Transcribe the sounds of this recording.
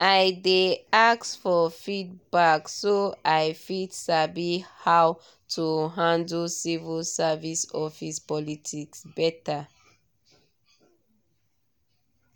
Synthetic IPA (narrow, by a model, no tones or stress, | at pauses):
ajdeaksfɔfid̚baksoajfitsabihaw | tʰuɦãndlsivəlsavisɔfispɔlitʰiksbɛta